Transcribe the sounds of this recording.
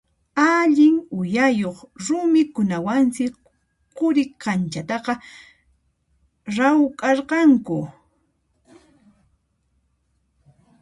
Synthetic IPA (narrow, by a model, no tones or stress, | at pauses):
aʎɪŋʊjajoχɾʊmɪkʊnawansɪ | qʊɾɪkant͡ʃat̪ɑqɑ | ɾawkʼɑɾqɑŋkʊ̰